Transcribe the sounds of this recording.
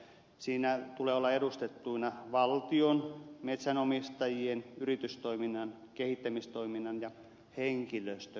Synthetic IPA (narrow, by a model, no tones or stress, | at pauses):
siːnæt̪uleːolːɑedust̪et̪ːuinɑʋɑlt̪ionmet̪sænomist̪ɑjienyrit̪yst̪oiminːɑn | kehit̪ːæmist̪oiminːɑnjɑ | heŋkiløst̪ø